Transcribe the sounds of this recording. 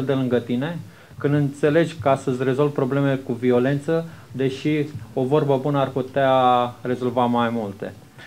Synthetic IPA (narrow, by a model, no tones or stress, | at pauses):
ld̪e̞lɨŋɡət̪ine̞ | kɨnd̪ɨnt̪se̞le̞d͡ʒʲkəast̪əzʲre̞zo̞lvpɾo̞ble̞melekuvio̞le̞nt̪səd̪e̞ʃio̞vo̞rbəbunəarput̪eare̞zo̞lvamajmult̪e̞̰